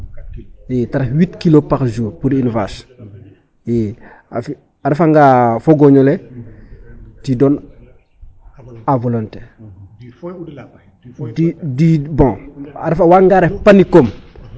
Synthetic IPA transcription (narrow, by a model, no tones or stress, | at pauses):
jetaɾahwitkilopaɾʒuːɾpuɾinvas | jɛ | a̰fi | aɾɛfaŋɡafoɡoɲɔlɛ | tidɔn | avɔlontɛː | didibɔ̃aɾɛfawaŋɡaɾɛpanikom